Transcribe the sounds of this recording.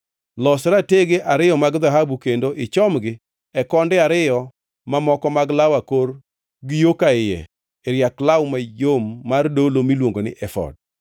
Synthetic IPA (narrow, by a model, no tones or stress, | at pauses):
lɔsɾateɡeʔaɾɪjɔmaɡðaɦabukendoʔɪt͡ʃɔmɡɪ | ɛkɔndɛaɾɪjɔ | mamɔkɔmaɡlawakor | ɡɪjokaɪjɛ̰ | ɛɾjaklawmajomːardolomilwoŋɡonɪ̰ʔɛfɔ̰d̚